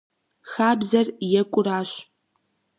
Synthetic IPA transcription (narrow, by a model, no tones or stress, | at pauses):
xaːbzɐrjɛkʷʼʊɾaːɕ